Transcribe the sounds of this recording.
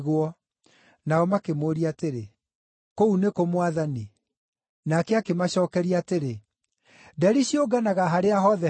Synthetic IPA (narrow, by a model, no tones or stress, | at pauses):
ɣwɔ | naɔmakemoɾiateɾe | kounekomwaðani | nakɛakemaɕɔːkɛɾiateɾe | dɛɾiɕioɡanaɣaɦaɾeaɦɔðɛ